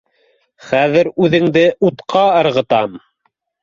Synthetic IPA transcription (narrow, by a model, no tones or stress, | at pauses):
χæðɘɾʉðɘ̆ŋd̪ɘʔut̪qʰɑɤ̆ɾʁɤ̆t̪ɑm